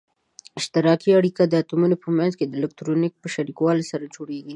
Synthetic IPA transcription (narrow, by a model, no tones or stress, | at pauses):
ɪʃt̪ɪɾɑkiaɽikad̪əat̪umunopəmanzked̪əlɪk̚t̪ɾonɪk̚pəʃaɾikwɑlsaɾad͡ʒoɽeɡi